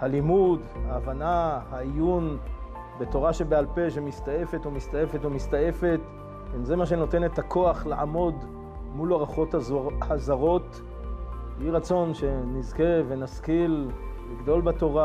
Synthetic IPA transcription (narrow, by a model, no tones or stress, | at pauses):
halimudhaːvanahaijun | be̞to̞ʁaʃe̞bealpe̞ʃ̬emist̪aje̞fetomist̪ajefetomist̪aje̞fe̞t̪ | imzemaʃ̬e̞no̞t̪e̞ne̞t̪akʰo̞aχlaʕa̰mo̞d̪ | mulaʁaχo̞thazaʁo̞t̪ | jiʁat͡so̞nʃe̞nizkeve̞naskilː | iɡd̪o̞lbato̞ʁa